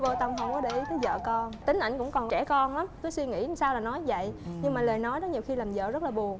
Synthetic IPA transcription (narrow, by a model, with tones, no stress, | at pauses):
vo˧t̪ə˧wŋ͡mɦə˧wŋ͡mkɔ˨˦ɗe˧˩ʔi˨˦t̪əː˨˦zə̰ː˧˨kɔ˧nt̪ï˨˦ŋ̟ʔa̰˧˩jŋkʊ̰˧˥ŋ͡mkɔ˨˩nt͡ɕɛ˧˩kɔ˧nla˨˦mkɨː˨˦swi˧ŋḭ˧˥˨saː˧wlaː˨˩nɔ˨˦jvə̰˧˨jɲɨ˧ŋmaː˨˩ləː˨˩jnɔ˨˦jɗɔ˨˦ɲi˨˩əwxi˧laː˨˩mzə̰ː˧˨zə˦˥t̚laː˨˩ɓu˨˩əŋ